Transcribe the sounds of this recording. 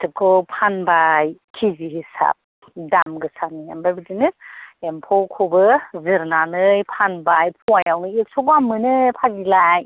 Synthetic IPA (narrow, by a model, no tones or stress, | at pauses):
tʰɯkʰɔpʰanbajkʰiziɦisa̰p̚ | damɡɯsania̰mbajbɯdinɯempʰɔkʰobɯzɯɾnanɯjpʰanbajpʰuwajawnɯek̚sɔɡamɯnɯpʰaɡilaj